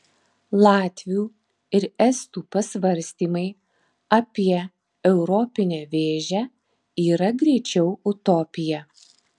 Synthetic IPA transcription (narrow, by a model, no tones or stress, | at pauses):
lˠɑːt̪ʲʋʲijuː | ɪɾɛst̪uːpɐsʲʋɐɾʲsʲt̪ʲiːmɐɪ | ɐpʲiɛ | ɛʊɾɔpʲɪnʲɛːʋʲeːʒʲæː | iːɾɐɡɾʲɛɪt͡ʃʲɛʊʊt̪ɔpʲɪjɛ